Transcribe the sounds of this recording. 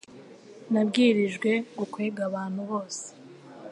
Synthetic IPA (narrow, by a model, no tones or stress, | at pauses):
nabɡiːɾiʒɡwe̞ɡukweːɡaβaːn̥huβo̞ːse̥